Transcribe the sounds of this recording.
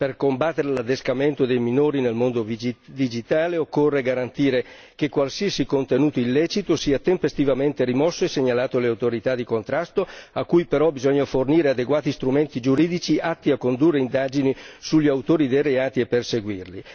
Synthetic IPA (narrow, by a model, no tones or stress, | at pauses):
perkombat̪ːeɾelad̪eskament̪od̪ejminoːɾinelmond̪ovd̪id͡ʒit̪aːleokːorːeɡaɾant̪iːɾe | kekwalsiɛsikont̪enuːt̪oilːɛt͡ʃit̪osiːat̪empest̪ivament̪eɾimɔsːoeseɲalaːt̪oleawt̪oɾit̪ad̪ikont̪ɾast̪oakːujpeɾɔbizɔɲːoforniːɾead̪eɡwaːt̪ist̪ɾument̪id͡ʒuɾiːd̪it͡ʃiʔat̪ːiakːond̪urːeind̪aːd͡ʒinisuʎːiawt̪oːɾid̪ejɾeaːt̪iepːerseɡwirli